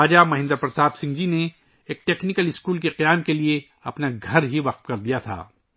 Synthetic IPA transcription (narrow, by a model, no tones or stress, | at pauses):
aːd͡ʒamɐɦɪ̃nd̪əɾpɾɐt̪aːbsɪ̃ŋɡd͡ʒine | eːk̚ʈeːknɪkəlɪskuːlkeqijaːmkelie | ɐpnaɡʱɐɾɦiʋɐqt̪kɐɾd̪ijat̪ʰa̰ː